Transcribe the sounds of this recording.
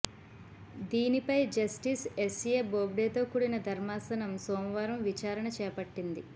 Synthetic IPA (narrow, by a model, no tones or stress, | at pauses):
d̪iːnipɐjd͡ʒɐsʈisesjeːboːbɽeːt̪o̞ːkuːɽinɐd̪ʱɐɾmaːsɐnɐmsoːmɐʋaːɾɐmʋit͡ʃaːɾɐɳɐt͡ʃɛːpɐʈːind̪i